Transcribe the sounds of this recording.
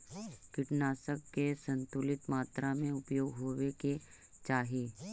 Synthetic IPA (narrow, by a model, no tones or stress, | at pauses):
kɪʈnaːsəkːesə̃nt̪ʊlɪt̪maːt̪ɾamẽʊpjoːɡɦoːweke | t͡ʃaːɦieː